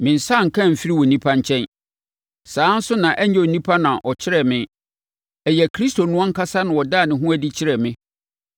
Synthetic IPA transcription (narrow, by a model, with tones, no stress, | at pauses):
mɪ̃˨n̩˨sa˦˨ŋ̩˨kʰã˦m̩˨fi˦ɾi˦wɔ˨nĩ˦pʰa˦ɲ̩˦t͡ɕʰɛ̃˦n | saː˨˦n̩˦sʊ˦nã˨ʔɛ˦ɲ˦ɛ˦o˨nĩ˦pʰa˦nã˨ʔɔ˨t͡ɕʰɪ˦ɾɛ˨mɪ̃˦ | ɛ˨jɛ˨kʰɾi˦sto˨nʊ̃˦ɔ̃˦ŋ̩˦kʰa˦sa˦nʊ̃˨wɔ˨daː˦˨nɪ̃˨ɦũ˦æ˨di˦t͡ɕʰɪ˦ɾɛ˨mɪ̃˦